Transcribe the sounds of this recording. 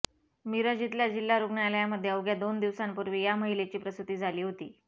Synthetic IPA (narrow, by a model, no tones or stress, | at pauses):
miɾəd͡ʑit̪ljad͡ʑilːaɾuɡɳaljaməd̪ʱːjeəwɡjad̪ond̪iʋsampuɾʋiːjaməɦilet͡ɕiːpɾəst̪ut̪iːd͡zʱaliːɦot̪ḭː